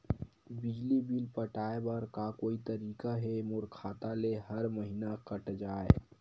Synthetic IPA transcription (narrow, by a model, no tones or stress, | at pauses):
bɪd͡ʒlibilpəʈaːebɐɾkakoːit̪ɐɾiːkaɦɛmʊɾkʰaːt̪aleɦɐɾməɦiːnakɐʈd͡ʒaːḛ